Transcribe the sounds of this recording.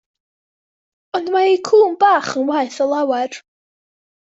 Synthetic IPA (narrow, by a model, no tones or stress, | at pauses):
ɔndmaikʰuːmbaːχənwaɨθɔlˠawɛr